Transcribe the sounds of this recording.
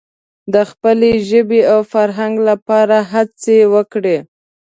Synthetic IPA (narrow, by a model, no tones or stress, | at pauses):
d̪əxpəleʒəbeawfaɾɦaŋɡlapɑɾaɦat͡sewəkɽe